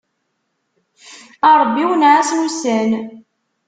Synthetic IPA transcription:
ɑɾˤbːiwnʕasnusæn

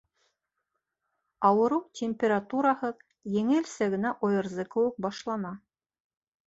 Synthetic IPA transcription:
ɑwɤ̆ɾɤwtʲemʲpʲeɾat̪uɾɑhɤð | jɘ̆ŋɘɘlsæɣɘ̆næʔŏjɤ̆ɾzɤkɤ̆wɘ̆k̚bɑʃlˠɑnɑ

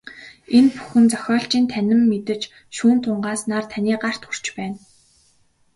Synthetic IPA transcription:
enpu̥xɘ̆nt͡sœxʲɔːɬt͡ɕiːnt̪ʰænʲɪ̆mːet̪ɘ̆t͡ɕ | ʃuːnt̪ʰʊɴɢaːsnaːrt̪ʰanʲiːɢar̥t̪xur̥t͡ɕpæːn

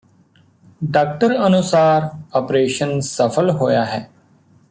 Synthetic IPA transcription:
ɖaːk̚ʈəɾənʊsaːɾəpɾeːʃənsəpʰəlɦoːjaːɦɛː

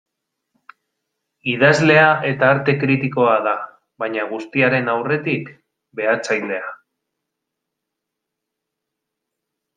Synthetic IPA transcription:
ið̞azle̞aʔe̞t̪aːɾt̪e̞kɾit̪iko̞aða | βaɲaɣ̞ust̪iaɾe̞nawre̞t̪ik | be̞at͡sajle̞a

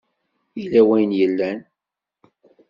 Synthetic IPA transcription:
ilːæwæjənjəlːæn

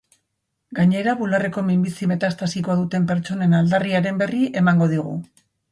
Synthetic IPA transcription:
ɡaɲe̞ɾaβulare̞ko̞mimbisime̞t̪ast̪asiko̞aðut̪e̞mpe̞ɾt͡ʃo̞ne̞nald̪ariaɾe̞mbe̞riʔe̞maŋɡo̞ð̞iɣ̞ṵ

